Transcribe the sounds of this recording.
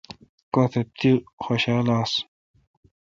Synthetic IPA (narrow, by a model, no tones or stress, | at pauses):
kot̪ʰet̪ixoɕaːlaːs